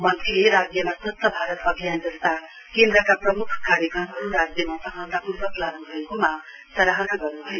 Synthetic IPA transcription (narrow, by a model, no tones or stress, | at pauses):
mʌnt̪rileɾad͡zjʌmasʌt̪ːʌbʱaɾʌt̪ʌbʱijand͡zʌst̪a | kend̪ɾʌkaprʌmukʰkaɾjʌkʌmɦʌɾuɾad͡zjʌmasʌkʰãw̃nd̪akubʌklaɡnubʱʌekoma | sʌɾaɦʌnaɡʌrnubʱʌjo